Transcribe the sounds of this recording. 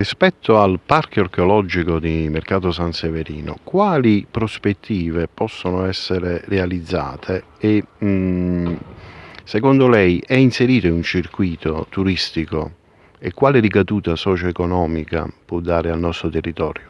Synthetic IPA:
rispɛt̪ʰːoalparkɔrkeolɔd͡ʒikod̪imerkaːt̪osanseveɾiːnʊ̰kwaːlipɾospet̪ʰːiːvepɔsːonʊɛsːeɾerealid̪zːa̰ːt̪ʰeː | sekond̪olɛjɛinseɾiːt̪eunt͡ʃirkwiːt̪ot̪uɾist̪iko̰ | ekːwaːlɪɾikad̪uːt̪asɔːt͡ʃoekonɔːmika̰pɔd̪ːaːɾɪalnɔst̪ɾot̪erːit̪ɔ̰ːɾjo

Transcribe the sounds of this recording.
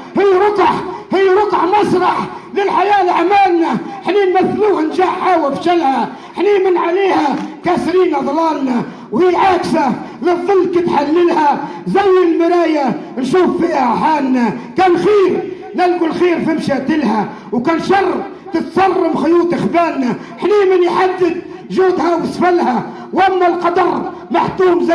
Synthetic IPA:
hɪːɾˤʊqʕhɪjːɾˤʊqʕmɑsˤɾˤɑħlɪlħajaːlʕmaːlnaħniːmaθluːhanʒaːʕħaːwafʃalha | ħniːmɪnʕaliːhakaːsɾiːnaðˤɑlɑːlna | whijːʕaːksalɨðˤːɨlːkɪt̪ħalːɪlha | zajːɪlmɪɾaːja | nʃuːfːiːhaħaːlnakaːnxiːɾ | nalɡʊlxiːɾfɪmʃaːt̪ɪlha | wkaːnʃɑrˤː | t̪ɪt̪sˤɑrˤːɑmxʊjuːt̪ˤɪxbaːnːa | ħniːmɪnjħad̪ːɪd̪ | ʒuːd̪hawɪsˤfalha | wʔamːalqɑd̪ɑrˤ | maħt̪uːmz

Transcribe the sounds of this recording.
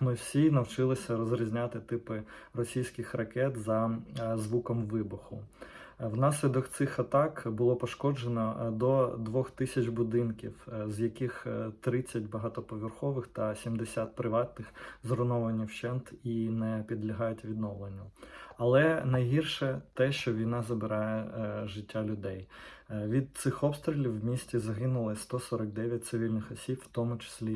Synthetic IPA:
mɪwsʲinɐwt͡ʃɪlˠɪsʲɐɾɔzɾʲizʲnʲat̪ɪt̪ɪpɪrɔsʲijsʲkɪxrɐkɛt̪zɐzʋukɔmʋɪbʊxʊ | wnɑs̬ʲlʲid̪ɔkt̪sɪxɐt̪ɑkbʊlˠɔpɔʃkɔd͡ʒenɔd̪ɔd̪ʋɔxt̪ɪsʲɐt͡ʃbʊd̪ɪnkʲḭwzjɐkɪxt̪ɾɪt͡sʲːɐtʲbɐɦɑt̪ɔpɔʋʲirxɔʋɪxt̪ɐsʲimd̪esʲat̪̚pɾɪʋɑt̪nɪxzɾʊnɔʋɐnʲːiwt͡ʃɛnt̪inɛpʲid̪lʲɐɦɑjʊtʲʋʲid̪nɔʋlˠenʲːɐɐlˠɛnɐjɦirʃɛt̪ɛʃt͡ʃɔʋʲijnɑzɐbɪɾɑjɛʒɪtʲːalʲʊd̪ɛjʋʲid̪̚t̪sɪxɔpst̪ɾʲilʲiwmʲisʲtʲizɐɦɪnʊlˠɪst̪ɔsɔɾɐk̚d̪ɛʋʲjɐt̚ʲt̪sɪʋʲilʲnɪxɔsʲipw̥t̪ɔmʊt͡ʃe̥sʲlʲi

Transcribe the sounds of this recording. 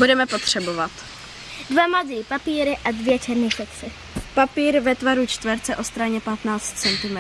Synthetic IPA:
budɛmɛpot̪r̝̥ɛbovat̪ | dvamad̪ɾiːpapiːɾɪʔadvjɛt͡ʃɛɾnɪsɛkt͡sɪ | papiːɾvɛt̪vaɾut͡ʃt̪vɛɾt͡sɛʔo̞st̪ɾaɲɛpat̪naːt͡st̪t͡sɛnt̪ɪmɛ

